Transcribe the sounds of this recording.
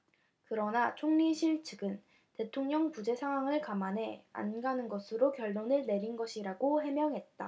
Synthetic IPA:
kɯɾʌnat͡ɕʰoŋɲiɕʰiɭt͡ɕʰɯɡɯn | te̞tʰoŋɲʌŋpud͡ʑe̞sʰaŋɦwaŋɯɭkamanɦe̞a̰nɡanɯnɡʌsʰɯɾokjʌɭːonɯɭne̞ɾinɡʌɕʰiɾaɡohe̞mjʌŋɦe̞t̚t͈a̰

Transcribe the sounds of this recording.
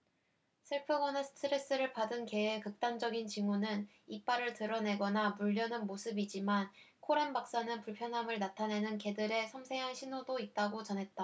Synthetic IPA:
sʰɯɭpʰɯɡwanasʰɯ̥tʰɯɾe̞s͈ɯɾɯɭpadɯnke̞ekɯk̚t͈and͡ʑʌɡint͡ɕimunɯn | ip͈aɾɯɭtɯɾʌne̞ɡʌnamuʎːʌnɯnmosʰɯbid͡ʑiman | kʰoɾanbak̚s͈anɯnpuɭpʰjʌnɦamɯɭnatʰane̞nɯnke̞dɯɾe̞sʰʌmsʰe̞ŋɦanɕʰinodoit̚t͈aɡot͡ɕʌnɦe̞t̚t͈a

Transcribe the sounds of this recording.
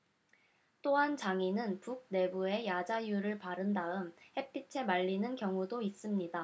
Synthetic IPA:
t͈oɦant͡ɕaŋinɯnpuk̚ne̞bue̞jad͡ʑajuɾɯɭpaɾɯndaɯmhe̞pʰit͡ɕʰe̞maʎːinɯnkjʌŋudois͈ɯmɲida

